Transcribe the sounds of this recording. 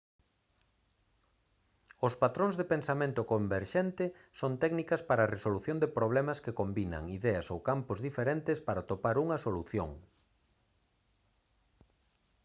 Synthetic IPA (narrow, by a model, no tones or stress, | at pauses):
ospat̪ɾõŋzðepẽnsamẽnt̪ʊkombeɾʃent̪ɪ | sont̪ɛknikɐspaɾaːresoluθjõnd̪epɾoβ̞lɛmɐskekombinɐ̰ŋiðɛɐsowkampozðifeɾent̪ɪspaɾat̪opaɾuŋɐsoluθjo̰ŋ